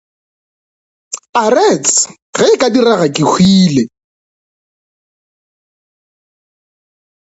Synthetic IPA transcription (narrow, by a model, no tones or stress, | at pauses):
arɛt͡sʼɪ | ɣɛɪkʼadiraɣakʼɪk͡xʰwiːle